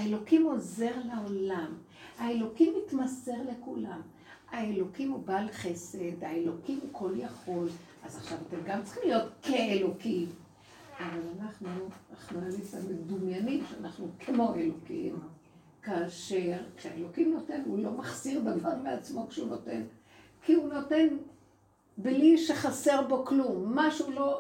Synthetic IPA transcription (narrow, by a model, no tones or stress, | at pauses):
aelo̞kimo̞ze̞ʁlao̞lam | aelo̞kimːitmase̞ʁle̞kulam | ae̞lo̞kimubalχe̞se̞daelo̞kimukʰo̞ljaχo̞lʔazaχʃavate̞mɡamt͡sḁχimlijo̞tkeelo̞kim | avalanaχnuaχnualisamedumjanimʃeanaχnukʰemo̞ʔelo̞kḭm | kaːʃe̞ʁkʃea̰elo̞kimno̞te̞nulo̞maχsiʁdavvaʁmeat͡smo̞kʃeuno̞te̞̰n | kiuno̞te̞n | bliʃeχase̞ʁbo̞klumːaʃeulo̞